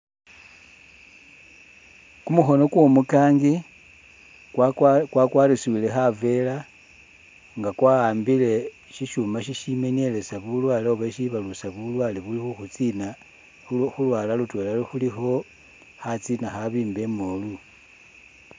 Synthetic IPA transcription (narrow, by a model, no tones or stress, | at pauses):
kumuxo̞no̞kwo̞mukaːŋɡi | kwakwaːɾisiwile̞xave̞la | ŋɡakwaaːmbile̞ | ʃiʃumaʃiʃime̞nje̞le̞saβulwaːleoβeʃiβalusaβulwaːleβulixuxut͡sina | xulwaːlalutwe̞laloxulixo̞ | xat͡sinaxaβiːmbe̞molu